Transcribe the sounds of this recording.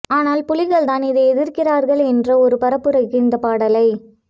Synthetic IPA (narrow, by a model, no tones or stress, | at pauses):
aːnaːlpʊlɪɣɐɭt̪aːnɪðɐɪɛðɪɾkɪraːɾɣɐɭɛndrɐɔɾɯpɐɾɐpːɯɾɐɪkːɪnd̪ɐpaːɽɐlɐɪ